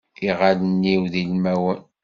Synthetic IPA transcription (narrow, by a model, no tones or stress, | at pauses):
iʁalənːiwðilmæwən